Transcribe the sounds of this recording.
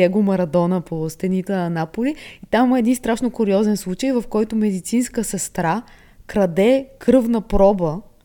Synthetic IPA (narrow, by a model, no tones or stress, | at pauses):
ɛɡʊmɐɾɐd̪ɔnəpost̪ɛnit̪ɛnɐnapoliit̪amimɐɛd̪inst̪ɾaʃnokʊɾiɔzɛnslˠut͡ʃəjvɐfkɔjt̪ʊmɛd̪it̪sinskəsɛst̪ɾa | kɾɐd̪ɛkɾfnəpɾɔbə